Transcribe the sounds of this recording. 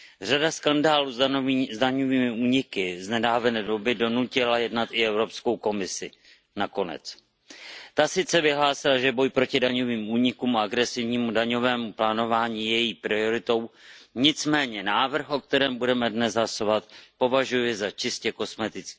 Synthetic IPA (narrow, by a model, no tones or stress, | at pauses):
r̝adaskandaːluzzdaɲo̞viːmɪuːɲɪkɪznɛdaːvɛnɛːdo̞bɪdo̞nucɪlajɛdnat̪ʔɪɛvɾo̞psko̞wko̞mɪsɪ | nako̞nɛ̰t͡s | t̪asɪt͡sɛvɪɦlaːsɪlaʒɛbo̞jpɾo̞cɪdaɲo̞viːmuːɲɪkuːmaaɡɾɛsɪvɲiːmudaɲo̞vɛːmuplaːno̞vaːɲiːjɛjiːpɾɪoɾɪt̪o̞wɲɪt͡smɛːɲɛnaːvr̩xʔo̞k̚t̪ɛɾɛːmbudɛmɛdnɛsɦasovat̪po̞vaʒujɛzat͡ʃɪscɛko̞smɛt̪ɪt͡skː